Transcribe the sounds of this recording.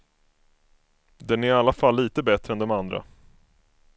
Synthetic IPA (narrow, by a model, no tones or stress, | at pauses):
d̪ɛnæɾɪalːafalːiːt̪əbɛt̪ɾəɛnd̪ɔmand̪ɾa̰